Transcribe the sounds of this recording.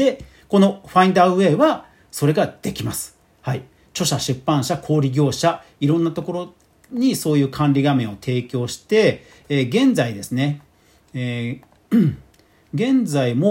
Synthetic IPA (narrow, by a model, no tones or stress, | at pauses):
e | ko̞no̞ɸãĩnd̪aɯ̟e̞ːβa | so̞ɾe̞ɡad̪̥e̞kʲimasɨ̥ | hai | t͡ɕo̞ɕaɕɨpːãɰ̃ɕakʰo̞ːɾʲiɡʲo̞ːɕaiɾõ̞nːat̪o̞ko̞ɾo̞ | ɲ̟iso̞ːjɯ̟ːkʰãnɾʲiɡamẽ̞ɰ̃o̞t̪ʰe̞ːkʲo̞ːɕi̥t̪e̞ː | ɡẽ̞nd͡zaid̪e̞sɨne̞ | ɡẽ̞nd͡zaimo